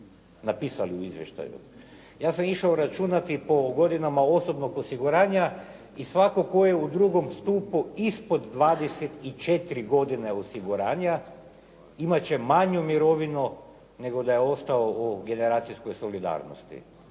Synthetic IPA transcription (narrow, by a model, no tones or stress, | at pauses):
napiːsaliuizʋjeʃt̪a̰jṵ | jaːsamiʃaoɾat͡ʃunat̪ipo̞ɡo̞d̪inamao̞so̞bno̞ɡosiɡuɾaːɲa | isʋako̞kojeud̪ɾuɡo̞mst̪uːpuispo̞d̪ːʋaːd̪eset̪it͡ʃe̞t̪iɾiɡo̞d̪ine̞osiɡuɾaːɲa | imat͡ɕe̞maɲumiɾo̞ʋinu | ne̞ɡo̞d̪ajeo̞st̪aooɡe̞ne̞ɾaːt̪sisko̞jso̞lid̪a̰ːɾno̰st̪ḭ